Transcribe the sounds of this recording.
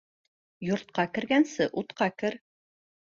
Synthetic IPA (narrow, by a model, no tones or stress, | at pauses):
jŏɾt̪̚qɑkɘ̆ɾɡænsɘʔut̪qɑkɘɾ